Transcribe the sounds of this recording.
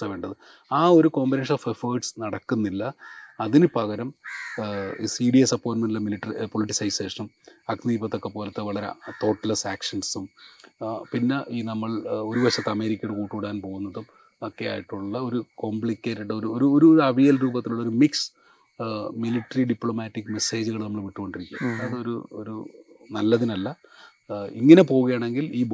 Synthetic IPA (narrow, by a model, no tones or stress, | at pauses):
ɐʋeːɳɖɐðɨ | aːo̞ɾuko̞ːmbineːʂɐnoːfefoːɖsnɐɽɐkːunːilːɐɐðinɨpɐɣɐɾɐm | siɖiesɐpːo̞ːʈmɐnɖilemiliʈːɐɾipo̞liʈːisɐjse̞ːʂɐnumɐkniːbɐt̪ːo̞kːe̞poːlɐt̪ːeʋɐɭɐɾḛt̪o̞ːʈːɐlɐsaːkʂɐnsum | pinːeʔiːnɐmːɐɭo̞ɾuʋɐɕɐt̪ːɐme̞ːɾikʲːɐjuɽukuːʈːuɽaːnpoːɣunːɐðum | okːeja̰ːjiʈːuɭːɐo̞ɾuko̞mbɭikʲːeːtːuɽɐoɾuoɾuoɾuɐʋijɐlɾuːbɐt̪ːiluɭːoɾumiks | miliʈːɐɾiɖipɭomaːtːikːme̞se̞ːd͡ʑuɣɐɭnɐmːɐɭmiʈːuko̞ɳɖiɾikʲːṵɐðɨoɾṵo̰ɾṵnɐlːɐðinɐlːɐ | iŋːɐnepo̞ːɣuɣɐjaːɳe̞ŋɡiliː